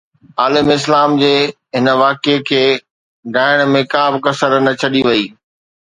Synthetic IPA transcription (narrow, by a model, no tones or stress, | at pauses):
aːlɪmɪs̬laːmd͡ʑeː | ɦɪnə̆ʋaːkekʰeː | ɖaːɪɽ̃mẽkaːbɪkɐsəɾnɐt͡ɕʰɐɗiʋɐiː